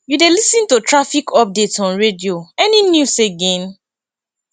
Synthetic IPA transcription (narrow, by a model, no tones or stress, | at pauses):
judelisĩntutɹafikʰɔp̚detɔ̃nɹedioɛninjuseɡẽn